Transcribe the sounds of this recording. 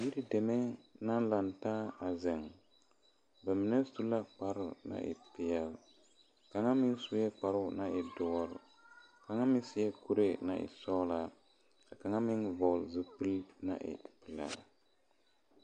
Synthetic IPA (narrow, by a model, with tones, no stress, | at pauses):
ji˦ɾi˦dɛ˨mɛ˦na˦nla˨ntaː˦a˨zɛ˨ŋ | bɛ˨mɪ˨nɛ˦su˦la˦k͡pa˦ɾʊ˨na̰˦ʔɪ̰˨pɪ˨ɛ˦l | ka˨ŋa˦mɪ˦nsu˦jɛ˦k͡pa˨ɾʊ˦na˦ʔɪ˨dʊ˨ɔ˦ɾ | ka˨ŋa˦mɪ˦sɪ˦jɛ˦ku˦ɾe˦na̰˨ʔɪ̰˨sɔ˦la˨ | ka˨ka˨ŋa˦mɪ˦nvɔ˨lzɨ˨pɨ˦lna̰˦ʔɪ̰˨pɨ˨la̰˦